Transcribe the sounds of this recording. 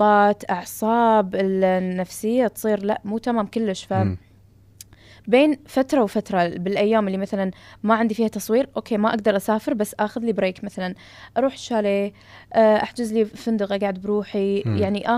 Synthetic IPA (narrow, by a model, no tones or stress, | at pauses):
ɑːt̪ʔɑʕsˤɑːbɪlnːafsɪjːat̪sˤiːɾlaʔmuːt̪amaːmkʊlːɪʃfa | beːnfat̪ɾˤɑwfat̪ɾˤɑbɪlʔajːaːmɪlːimaθalanmaʕɪnd̪ifiːhat̪ɑsˤwiːɾʔoːkʰeːmaʔaɡ̚d̪ɑɾˤʔasaːfɪɾbasːʔaxʊðlibɾeːkmaθalan | ʔɑɾˤuːħʃaːleː | ʔʔa̰ħd͡ʒɪzlifɪnd̪ʊɣaɡaʕd̪̚bɾuːħijaʕniʔa